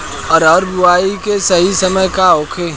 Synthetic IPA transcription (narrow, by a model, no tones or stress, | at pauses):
ɔɾɔɾbuaːikesɐɦisɐməjkaoːkʰeː